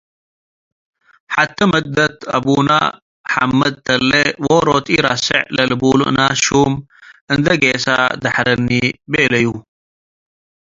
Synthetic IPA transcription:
ħat̪ʰːɐmɐd̪ɐt̪ɐ̰buːna̰ː | ħa̰mːɐd̪̚t̪ɐlːewoɾoːt̪ʼiɾasɐ̰ʕlɐlbuːlṵʔnaːʃuːmɨnd̪ɐɡeːsad̪ɐħɾɐnːiːbelɐju

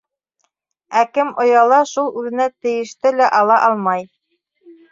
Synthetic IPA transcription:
ækɘmŏjɑlˠɑʃulˠʉðɘ̆næt̪ɘ̆jɘ̆ʃt̪ɘlæʔɑlˠɑʔɑlˠmɑj

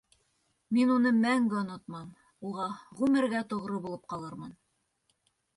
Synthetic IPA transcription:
minunɤmæŋɡɘŏnot̪̚mɑm | uʁɑʁʉmɘ̆ɾɡæt̪ŏʁɾɤbulˠɤp̚qɑlˠɤɾmɤn

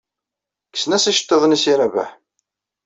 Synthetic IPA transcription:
kːə̥snæsiʃə̥t̪ːeðˤnisiɾævæ̰ħ

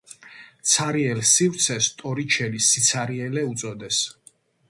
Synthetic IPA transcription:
t̪sʰaɾiɛlsivɾt̪sʰɛst̪ʼɔɾit͡ʃʰɛlisit̪sʰaɾiɛlɛut̪sʼɔd̪ɛs

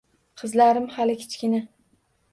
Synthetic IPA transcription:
qʰɨzlaɾɪmhalɪkʲʰɪ̥t͡ʃkʲɪna

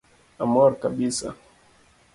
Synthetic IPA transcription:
amɔɾkaɓisa̰

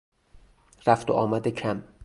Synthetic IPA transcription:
ɾæft̪oʔɒːmæd̪ecʰæm

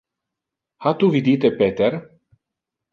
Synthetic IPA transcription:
hat̪uvid̪it̪epet̪er

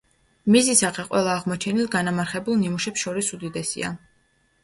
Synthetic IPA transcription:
mizisaqɛqʼwɛlˠaːʁmɔt͡ʃʰɛnilˠɡanamaɾχɛbulˠnimuʃɛpsʃɔɾisud̪id̪ɛsḭa̰

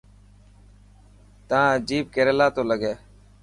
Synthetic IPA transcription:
t̪ãːd͡ʒiːb̚keːɾeːlaːt̪oːləɡeː

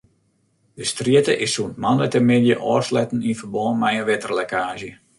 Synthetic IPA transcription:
dəstriətəʔɪsunt̚manətəmɪdjəʔɔːslɛtən̩infərbɔːnmɛjənʋɪtərlɛkaːʒə

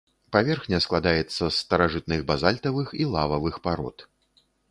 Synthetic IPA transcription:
pavʲɛrxnʲɐsklˠad̪ajɛt̪sːɐsːt̪ɐɾaʐɨt̪nɨɣbazalʲt̪ɐvɨxilˠavɐvɨxpaɾɔ̰t̪

